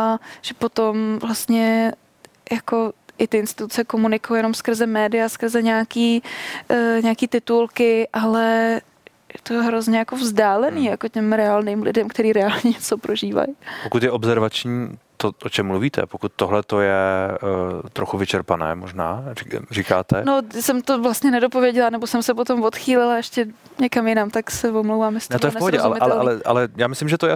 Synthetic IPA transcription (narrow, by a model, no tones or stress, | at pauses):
aʒ̥ɛpot̪omvlast̪ɲɛ | jako̞ʔɪt̪ɪɪnst̪ɪt̪ut͡sɛko̞munɪkojojɛno̞mskr̩zɛmɛːdɪjaskr̩zɛɲaːkiː | ɲɛakiːt̪ɪt̪ulkɪʔalɛ | jɛt̪oɦɾozɲɛjakovzdaːlɛniːjako̞cɛmɾɛalniːmlɪ̰dɛmkt̪ɛɾiːɾɛalɲɛɲɛt͡sopɾʔoʒiːva̰jpokut̪jɛʔobzɛɾvat͡ʃɲiːt̪oʔot͡ʃɛmːluviːt̪ʰɛ̰pokut̪ːoɦlɛt̪ojɛ | t̪ɾoxuvɪt͡ʃɛɾpanɛ̰ːmoʒna̰ːirikaːt̪ɛnosɛmt̪ovlast̪ɲɛnɛdopo̞vjɛɟɛlanɛbo̞sɛmsɛpo̞t̪o̞mvo̞t̪xiːlɪlaɛʃcɛ | ɲɛkamjɪnamt̪aksɛvomlowvaːmjɛsnɛt̪ojɛfpoɦoɟɛʔalɛʔalɛʔalɛʔa̰lɛjaːmɪslɪmʒɛt̪oja